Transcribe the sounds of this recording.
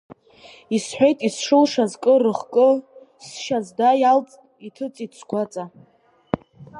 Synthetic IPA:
isħʷᶣe̞jtʼisʂɨlʂazkʼɨrɨχkʼɨ | sʃazdajalt͡sʼitʰɨt͡sʼit͡sʰɡʷat͡sʼa

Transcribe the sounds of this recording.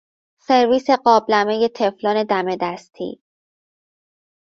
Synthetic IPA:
se̞ɾviːse̞ɢɒːblæme̞je̞t̪ʰe̞flɒːne̞d̪æme̞d̪æst̪ʰḭː

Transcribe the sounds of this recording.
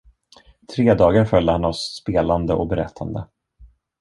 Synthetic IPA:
t̪ʰɾeːd̪ɑːɡaɾfœljd̪əhanavsːpeːland̪əʔɔ̰k̚bɛɾɛ̰t̪ʰːand̪ə

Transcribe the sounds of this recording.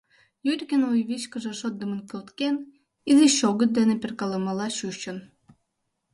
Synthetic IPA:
jyɾʲkʲenojβit͡ɕkəʒĕʃot̪̚d̪əmənkølt̪ken | iziɕoɣə̆t̪̚d̪eneperkɑləmɑlɑɕuʃt͡ɕə̆n

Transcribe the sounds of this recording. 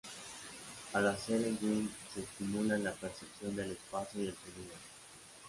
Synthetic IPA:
alaseleŋɡinseːst̪imulanlapeɾsepsjond̪elespasoiðelteniɾo

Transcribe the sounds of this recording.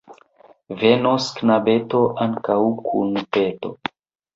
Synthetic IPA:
venosknabeto̞ʔaŋkawkʰṵnpeto̞̰

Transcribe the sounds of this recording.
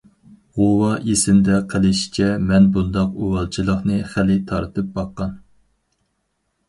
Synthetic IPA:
ʁowɑʔesɪnd̪ɛqʰəlˠɪʃi̥t͡ʃʰɛmɛnbund̪ɑquwɑlˠt͡ʃʰilˠəχnɨχælɪt̪ʰɑɾt̪ʰɨp̚bɑqːɑn

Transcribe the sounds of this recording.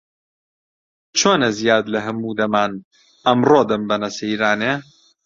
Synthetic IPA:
t͡ʃʰoːnɐzijaːd̪lɐɦɐmuːd̪ɐmaːn | ɐmroːd̪ɐmbɐnɐsɐiɾaːneː

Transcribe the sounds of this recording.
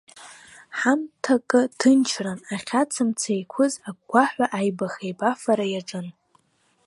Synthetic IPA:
ħamtʰakʼɨdʰɨnt͡ʃʰranaχʲat͡sʰɨmt͡sʰejkʷʰʊzaɡʷaħʷaʔajbaχejbafaɾajaʈ͡ʂʼɨn

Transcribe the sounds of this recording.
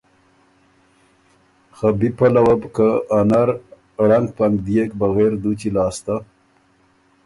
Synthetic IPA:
xabipalawabkaanaɾ | ɽaŋɡ̚paŋɡd̪ijekbaɣeɾd̪ut͡ʃilɑːst̪a

